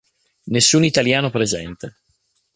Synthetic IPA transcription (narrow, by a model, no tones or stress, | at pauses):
nesːuːnit̪aljaːnopɾezɛnt̪e